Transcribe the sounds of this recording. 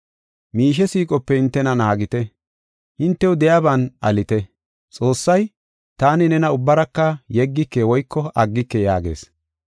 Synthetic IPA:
miːʃ̬ɛsiːkʼɔpːɛhɪnt̪ːɛnɐnaːɡɪt̪ɛ | hɪnt̪ːɛwʊd̪ɛjaːbanʔɐlɪt̪ɛ | t͡sʼo̞ːsːɐj | t̪aːnɪnɛnɐʊbːɐɾɐkːɐjɛɡːɪkːewɔjkːɔʔɐɡːɪkːɛjaːɡe̞̰ːs

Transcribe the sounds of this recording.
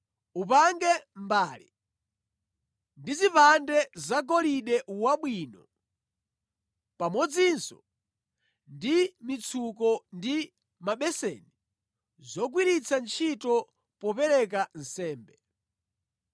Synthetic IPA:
upaŋɡɛmbaːlḭ | ndizipandɛzaɡɔliɗɛwaɓwiːnɔ | pamɔd͡zinsɔ | ndimit͡sʰukɔndi | maɓɛsɛ̰ni | zɔɡ̬wiɾit͡sʰant͡ʃʰitɔ | pɔpɛɾɛk̬an̩sɛːmbɛ

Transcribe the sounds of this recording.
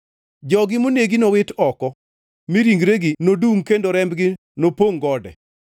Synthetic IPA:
d͡ʒɔɡɪmoneɡinowɪtɔkɔ | miɾiŋɡɾeɡinoduŋkendoɾɛmbɡɪ | nopoŋɡɔdɛ̰

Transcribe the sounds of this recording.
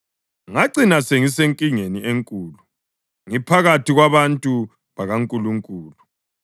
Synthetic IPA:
ŋaǀinaseŋiseŋkʼiŋeniʔeŋkʼuːlu | ŋipʰaɣatʰiɣwaβantʼu | βaɣaŋkʼuluŋkʼuːlu

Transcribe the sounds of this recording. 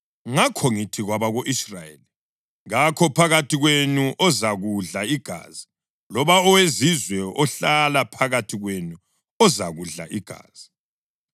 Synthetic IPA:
ŋakʰɔŋitʰiɣwaβaɣoʔisrajḛli | ɣakʰɔpʰaɣatʰiɣwenuʔɔzaɣuɮaiɡ̥ʱa̰ːzi | lɔβaɔwezizwɛɔɬalapʰaɣatʰiɣwenu | ɔzaɣuɮa̰ʔiɡ̥ʱa̰ːz̥i

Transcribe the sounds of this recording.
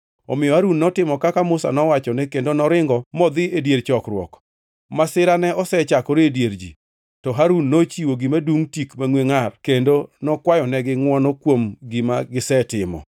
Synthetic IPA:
ɔ̰mɪjɔhaɾunːɔtɪmɔkakamʊsa̰nɔwat͡ʃɔnɛkendonɔɾɪŋɡɔmɔd̪ɪedjeɾt͡ʃɔkɾwɔ̰k | masɪɾanɛɔsɛt͡ʃakɔɾeedjeɾd͡ʒḭ | tɔɦaɾunːot͡ʃiwoɡimaduŋtikmaŋweŋarkendonɔkwajɔnɛɡɪŋwɔnɔkwomɡimaɡɪsɛtɪmɔ̰

